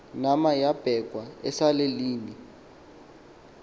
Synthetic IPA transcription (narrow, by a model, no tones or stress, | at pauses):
namajab̥ʱɛɡ̥ʱwaɛsaleliːni